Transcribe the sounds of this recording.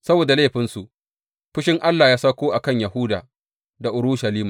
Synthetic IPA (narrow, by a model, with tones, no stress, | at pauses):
sɐ˦boː˨da˨leː˦˨ɸɪ˦nsu˨ʔ | ɸɪ˦ʃɪ˦ŋʔa˦lːaː˨jaː˦saː˦kʷoː˦ʔa˨kɐ˦ɲja˨hʊ˦da̰ː˨ | da˨ʔʊ˨ɽʊ˦ʃa˨liː˦maː˨